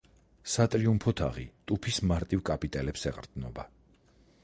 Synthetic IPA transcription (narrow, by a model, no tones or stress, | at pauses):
sat̪ʼɾiumpʰɔt̪ʰa̰ʁit̪ʼupʰismaɾt̪ʼivkʼapʼit̪ʼɛlɛpsɛqʼɾd̪nɔba